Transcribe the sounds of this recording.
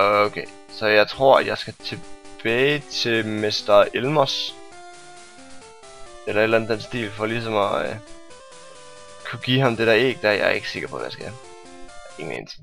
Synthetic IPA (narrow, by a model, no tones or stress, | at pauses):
okʰe | sɒ̽jɑ̈ɪt͡sʰʁo̝ɐ̰jɑ̈ɪsɡ̥æt͡sʰe̝b̥ɛːɪt͡sʰe̝lme̝sd̥ɐʔelmɒs | elɐe̝d̥lænð̩ˠd̥en̩sd̥ḭːlfɒ̽lis̬ɒ̽mɒ | kʰuɡ̥iɦɑ̈md̥e̝ɾ̥æɐe̝̰ɡ̥̚d̥æjɑ̰ɐe̝ɡ̥ə̥se̝ɡ̥ɐpʰɒ̰̽ʋæsɡ̥æ | e̝ŋn̩ḛnt͡sʰe̥ŋ